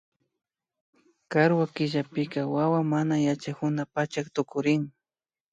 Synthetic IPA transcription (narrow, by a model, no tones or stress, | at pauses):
kaɾwakɪʒapɪkawawamanajat͡ʃakʊnapat͡ʃakt̪ʊkʊɾɪŋ